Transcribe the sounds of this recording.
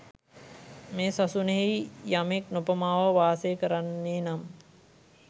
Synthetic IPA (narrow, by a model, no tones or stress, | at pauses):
meːsasuneɦejijameknopəmaːʋəʋaːsejkəɾanːeːnam